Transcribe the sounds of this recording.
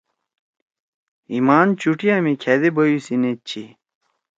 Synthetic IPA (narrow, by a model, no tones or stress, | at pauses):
imaːnt͡ɕuʈijamikʰɛd̪ebɐjusinet͡ɕʰi